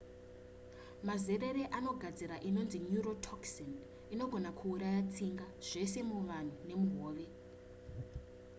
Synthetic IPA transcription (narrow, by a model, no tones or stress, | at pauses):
mazere̞ɾe̞ʔano̞ɡʱad͡ziɾaʔino̞nzinjuro̞tʰoksen | ino̞ɡʱo̞nakʰuːɾajat͡siŋɡaʐ̥e̞se̞muʋan̤une̞muɦoːʋe̞